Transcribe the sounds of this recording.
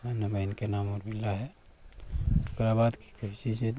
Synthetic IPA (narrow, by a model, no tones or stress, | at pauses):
ɐmnebɐɪnkenaːmɔːɾmɪlːaɦɛ | ʊkɾabaːd̪ki̥kʰʊsise